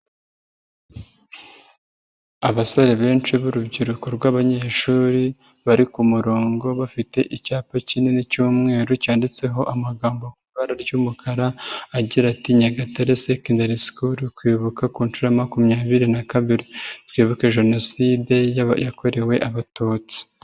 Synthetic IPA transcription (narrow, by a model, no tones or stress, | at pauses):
aβaso̞ɾe̞βe̞ːnt͡ʃiβuɾubɟiɾukoɾɡwaːβaɲe̞ːʃuːɾi | βaɾikumuɾo̞ːŋɡo̞βafite̞ʔicaːpacine̞nicuːmŋe̞ːɾucaːndit͡se̞ɦo̞ʔamaɡaːmbo̞kuβaɾaɾɟumukʰaɾaːɟiɾatiɲaɡataɾesekindaɾiskuɾkwiːβukakuːnt͡ʃuɾamakumɲaːβiɾinakaβiɾitwiːβuke̞ʒe̞no̞siːde̞jjako̞ɾe̞we̞ʔaβatoːt͡si̥